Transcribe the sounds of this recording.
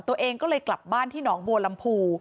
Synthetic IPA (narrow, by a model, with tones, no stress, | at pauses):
t̪u˧əʔeː˧ŋkɔː˥˩lɤː˧kla˨˩p̚baː˥˩nt̪ʰiː˥˩nɔː˩˦ŋbu˧əla˧mpʰuː˧